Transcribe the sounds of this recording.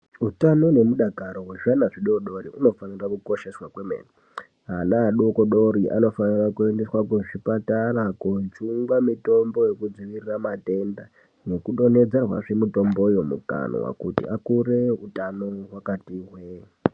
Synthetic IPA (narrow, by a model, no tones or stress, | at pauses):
utano̞ne̞muɗakaɾoɦweʐanaʐiɗoɗo̞riʔuno̞fanirakuko̞ʃe̞swakwemḛːni | ɦanaɦːɗokoɗo̞ɾiʔa̰no̞fanirakue̞ndeswakuʐipatarakut͡ʃuŋɡwamito̞mbo̞je̞kud͡ziʋiriramate̞nda | ne̞kuɗo̞ne̞d͡zerwa̰ʐe̞mito̞mbo̞ujomṵka̰no̰wa̰kutḭakure̞utanoɦwakatiɦwe